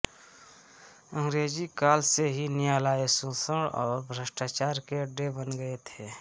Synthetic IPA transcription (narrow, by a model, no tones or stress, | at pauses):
ə̃ŋɡɾeːd͡ʒikaːlseɦinɪjaːlaːesõsəɽɔːɾbʱɾəsʈat͡ʃaːɾkeəɖebənɡəet̪ʰeː